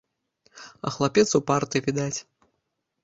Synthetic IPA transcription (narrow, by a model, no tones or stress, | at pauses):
ɐ̰xlˠapʲɛt̪supart̪ɨvʲid̪at͡sʲ